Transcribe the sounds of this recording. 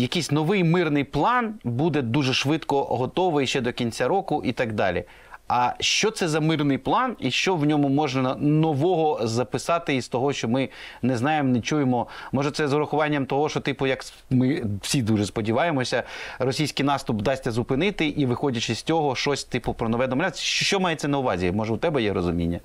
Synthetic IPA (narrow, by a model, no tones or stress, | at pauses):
jɐkijsʲnɔʋɪjmɪrnɪjplˠɑnbud̪ɛd̪uʒɛʃʋɪt̪kɔɦɔt̪ɔʋɪjʃt͡ʃɛd̪ɔkʲinʲt͡sʲaɾɔkʊʔit̪ɐɡd̪ɑ̰lʲḭ | ɐʃt͡ʃɔt̪sɛzɐmɪrnɪjplˠɑniʃt͡ʃɔʋnʲɔmʊmɔʒnɐnɔʋɔɦɔzɐpɪsɑt̪ɪist̪ɔɦɔʃt͡ʃɔmɪnɛznɑjemnet͡ʃujemɔmɔʒɛtsɛzʊɾɐxʊʋɑnʲːɐmt̪ɔɦɔʃɔt̪ɪpʊjɐk | mɪw̥sʲid̪uʒɛspɔdʲiʋɑjemɔsʲɐrɔsʲijsʲkɪjnɑst̪ʊpd̪ɑsʲtʲɐzʊpɪnɪt̪ɪʔiʋɪxɔdʲɐt͡ʃɪsʲt͡sʲɔɦɔʃɔsʲt̪ɪpʊpɾɔnɔʋɛd̪ɔmɐlʲasʲʃʃt͡ʃɔmɑjɛt̪sɛnɐʊʋɑzʲimɔʒɛʊt̪ɛbɛjɛɾɔzʊmʲḭnʲːɐ